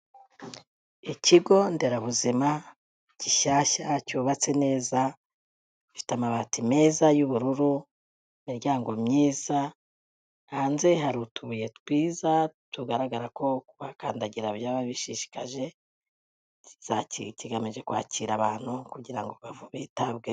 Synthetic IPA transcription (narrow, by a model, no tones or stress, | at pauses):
iciɡo̞nde̞ɾaβuzima | ciʃaːʃacuːβat͡se̞ne̞ːza | kufi̥tamaβatime̞ːzajuβuɾuɾu | imiɾɟaːŋɡo̞mɲiːz̥a | haːnze̞ɦaɾutuβuje̞tkwiːzatuɡaɾaɡaɾako̞βakaːndaɟiɾaβjaːβaβiʃiʃi̥kaʒe̞ | z̥aciciɡamiʒe̞kwa̰ːciːɾaβaːn̥hukuɟiɾaŋɡoβavuβiːtabɡe